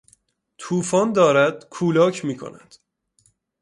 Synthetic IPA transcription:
t̪ʰuːfɒːnd̪ɒːɾæd̪̥kʰuːlɒːcʰmiːkʰo̰næ̰nd̪̥

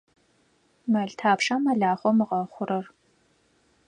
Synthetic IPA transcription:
mɐɮtʰaːpʂaːmɐɮaːχʷɔmɨʁɐχʷʊɾɐr

